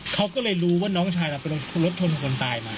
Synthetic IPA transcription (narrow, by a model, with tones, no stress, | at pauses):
kʰa˦˥wkɔː˥˩lɤː˧jɾuː˦˥waː˥˩nɔː˦˥ŋt͡ɕʰaː˧˩jʔa˨˩pa˧lo˧lo˦˥t̪̚t͡ɕʰo˧nsʰo˧ŋkʰo˧nt̪aː˧jmaː˧